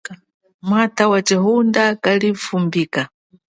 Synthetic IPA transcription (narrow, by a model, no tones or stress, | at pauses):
mwatʰawat͡ʃiɦundakalifumbika